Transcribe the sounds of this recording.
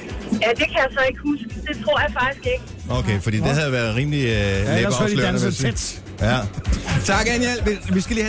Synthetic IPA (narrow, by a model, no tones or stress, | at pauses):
jæd̥e̝kʰæjɑsɒ̽e̝ɡ̥əhusɡ̥əd̥e̝t͡sʰʁo̝ɐ̰jɑ̈fɑ̈ɡ̥isɡ̥e̝ɡ̥ə | oʊkʰefɒd̥ḭːd̥e̝ɦæðˠjʋæɐðˠʁiːmlileːbɑslø̰ɐniʋæs | æt͡sʰɑ̈ɡ̥ænjelʋeʋisɡ̥æliːhæ